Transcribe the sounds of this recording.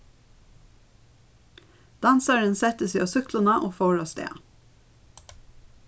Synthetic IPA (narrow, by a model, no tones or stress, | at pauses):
d̪̥ɑnsəɹənsɛt̪əsiːoːsʏklʊnəʔoːfoːɭoːst̪ḛː